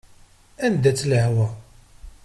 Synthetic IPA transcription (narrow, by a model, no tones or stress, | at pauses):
ænd̪æt͡sːləhwæ